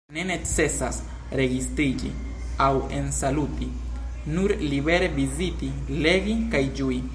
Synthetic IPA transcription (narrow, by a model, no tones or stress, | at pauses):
ne̞ne̞t͡se̞sas | ɾe̞ɡistɾid͡ʒḭ | awensaluti | nuɾlibe̞ɾe̞biziti | le̞ɡikajd͡ʒui